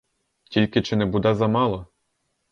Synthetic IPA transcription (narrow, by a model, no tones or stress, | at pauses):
tʲilʲkʲit͡ʂɨnɛbud̪azamalˠɔ